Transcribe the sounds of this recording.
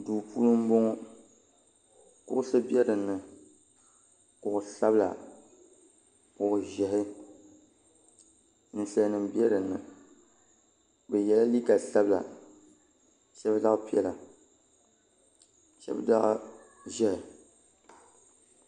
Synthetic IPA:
duː˨pʰu˦lɨ˦m̩˦bo˦ŋɔ˦ | kʊ̰˦ʔʊ˦sɨ˦bi˦ɛ˦dɨ˨nːɨ˨ | kʊ˨ʔʊ˨sa˦bla̰˨ | kʊ˨ʔʊ˨ʒɛ˨ɦɪ˦ | n̩˨ɬɛ˨˦nɨ˨mbɛ˦ɾɨ˨nːɨ˨ | bɨ˨jɛ˨la˦li˦ka˨sa˦bla̰˨ | ʃɛ˦bda˦ʔpi˦ɛ˦la˨ | ʃɛ̰˦bda˦ʔ | ʒɛ˦hɪ˨

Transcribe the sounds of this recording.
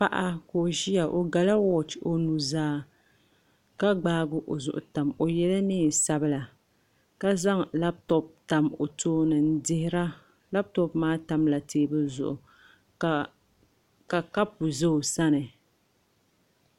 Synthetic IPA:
pa˦ʔa˦ko˨ʒi˦ja˨ʔo˨ɡa˨la˦wɔ˦t͡ʃo˨nu˨zaː˦ | ka˦ɡ͡baː˦ɡʊ˦ʔo˨zʊ̰˨ʔʊ˨ta˨mo˨jɛ˦la˦nɨː˦˨sa˦bɨ˦la˨ | ka˦za˦ŋla˦btɔ˨p̚ta˨mo˨toː˦nɨ˨n̩˦dɪ˦hɪ˦ɾa˦ | la˦b̚tɔ˦pmaː˦ta˨mla˨tʰeː˦bɨ˦zʊ̰˨ʔʊ̰˨ | ka˨ka˦pu˨ze˦o˨sa˦nɨ˨

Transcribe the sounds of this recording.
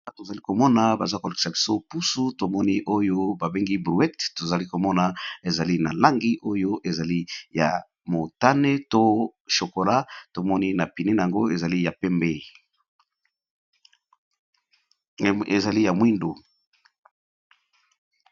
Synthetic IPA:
a˦to˨za˨li˦ko˨mɔ˦na˨ba˨za˦ko˨le˨ki̥˨sa˨bi̥˨so˦pu˦su˦to˨mɔ˦ni˦ʔo˦jo˦ba˨be˦ŋɡi˦bʁu˨˦ɛ˦tto˨za˨li˦ko˨mɔ˦na˨e˨za˨li˦na˨la˦ŋɡi˦ʔo˦jo˦ʔe˨za˨li˦ja̰˨ | mo˨ta˦ne˦to˦ʃo˨ko˨la˦to˨mɔ˦ni˦na˨pi˨ne˦na˨ja˨ŋɡo˦e˨za˨li˦ja˨pɛ˦mbe˦ | e˨za˨li˦ja˨mwi˦ndu˨

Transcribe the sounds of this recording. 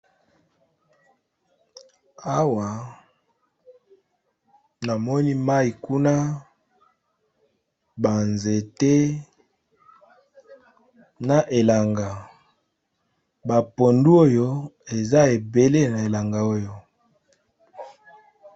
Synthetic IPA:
a˦wa˨ | na˨mɔ˦ni˦ma˦i˨ku˦na˦ | ba˨nze˨te˦ | na˨ʔe˨la˨ŋɡa˨ | ba˨po˨ndu˦o˦jo˦e˨za˦e˨be˨le˦na˨e˨la˨ŋɡa˨o˦jo˦˨

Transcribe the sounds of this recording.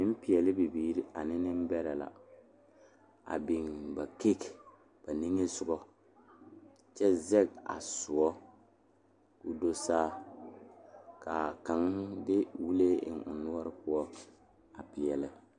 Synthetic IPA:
nɪ˦m̩˦pɪ˨ɛ˨lɪ˦bi˨biː˦ɾi˦ʔa˨nɪ˦nɪ˦m˦bɛ˦ɾɛ˨la̰˨ | a̰˨bi˨ŋba˨ke˦k | b̥a˨ni˦ŋe˦sʊ˨ɡɔ˦ | t͡ʃɛ˦zɛ˦ɡa̰˨sʊ˨ɔ˦ | ʊ˦do˦saː˦ | ka˨ka˨ŋdɪ˦wu˦le˦ɪ̰˨ŋʊ̰˨nʊ˦ɔ˦ɾɪ˦pʊ˦ɔ˦ | a˨pɪ˨ɛ˨lɪ˦

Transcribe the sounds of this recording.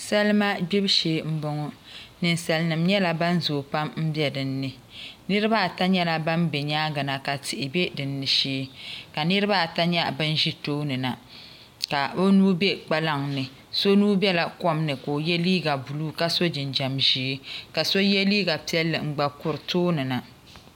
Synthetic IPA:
sɛ˦lma˦ɡ͡bi˦bʃeː˨˦˨m̩˦bɔ˨ŋɔ˨nɨ˨nsa˨lnɨ˨mɲɛ˦la˨ba˦n˦zoː˨pa˦mm̩˦bjɛ˦dɨ˨nːɨ˨ | nɨ˦ɾɨ˦ba˦˨ta˦ɲɛ˦la˦ba˦mbe˨ɲaː˦ɡa˨na˨ka˨tɪ˨ʔɪ˨be˦dɨ˨nːɨ˨ʃeː˦ka˨nɨ˦ɾɨ˦ba˦˨ta˦ɲɛ˦bɨ˦n˦ʒi˦toː˦nɨ˨na˨ | ka˨o˦nuː˦be˦k͡pa˦la˦ŋnɨ˨ | so˦nuː˦bɛ˦la˨kɔ˦mnɨ˨koː˨jɛ˦liː˦ɡa˨bu˨luː˦ka˦so˦d͡ʒɪ˨nd͡ʒa˨mʒi˨˦ka˨so˦jɛ˦liː˦ɡa˨pi˦ɛ˦lːɨ˨ŋ͡m̩˨ɡ͡ba˨kʊ˦ɾtoː˦nɨ˨na˨

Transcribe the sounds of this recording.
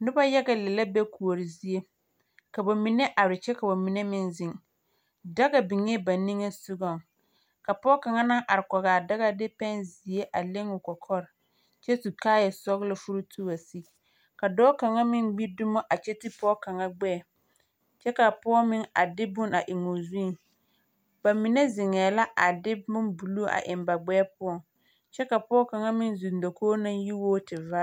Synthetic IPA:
nʊ˦ba˦ja˦ɡa˨lɛ˨la˦bɛ˦kʰu˨o˨ɾi˨zi˨˦e˦ | ka˨ba˨mi˨nɛ˦ʔa˨ɾɪ˨t͡ʃɛ˦ka˨ba˨mi˨ne˦mɪ˦nzɪ˦ŋ | da˦ɡa˨bɪ˨ŋɛ˦ba˨ni˦ŋe˦sʊ˦ɡɔ˦˨ŋ | ka˨pɔː˦ka˨ŋa˦na˦ʔa˨ɾɪ˨kɔ˨ɣaː˨da˦ɣa˦dɪ˦pɛ˦nzi˨e˦ʔa˨le˦ŋʊ˨kɔ˨kʰɔ˦ɾɪ˨ | t͡ʃɛ˦tu˨kaː˦jɛ˨sɔ˦ɣlɔ˨fu˦ɾu˦tʰu˦ba˨si˦ | ka˨dɔː˦ka˨ŋa˦mɪ˦nɡ͡bi˦dʊ˦mɔ˦ʔa˨t͡ʃɛ˦tɪ˦pɔː˦ka˨ŋa˦ɡ͡bɛː˦˨ | t͡ʃɛ˦ka˨pɔ˦ɔ˦mɪ˦ŋa˨dɪ˦bʊ˦na˨ʔɪ˨ŋʊ˨zu˦˨ | ba˨mi˨nɛ˦zɪ˨ŋɛː˨la˦ʔa˨dɪ˦bʊ˦nbu˨lu˦ʔa̰˨ʔɪ˨mba˨ɡ͡bɛː˦pʊ˦ɔ˨ŋ | t͡ʃɛ˦ka˨pɔː˦ka˨ŋa˦mɪ˦nzu˨ndo˨kʰoː˦na˦ŋji˦woː˦tɪ˨va˦

